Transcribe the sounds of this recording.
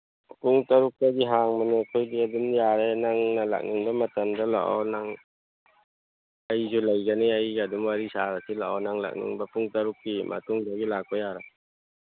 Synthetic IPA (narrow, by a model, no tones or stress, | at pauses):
puŋtɐɾuk̚taɡiɦaŋmanekʰojdiɐdumjaɾenaŋnɐla̰k̚niŋbɐmɐtɐmdɐla̰ʔa̰wnaŋ | ɐjzulɐjɡɐniajɡadumwaɾisaɾasʰilaʔa̰wnaŋla̰k̚nḭŋbɐpuŋtɐɾuk̚dimʔɐ̰tuŋdaɡilak̚pɐjaɾa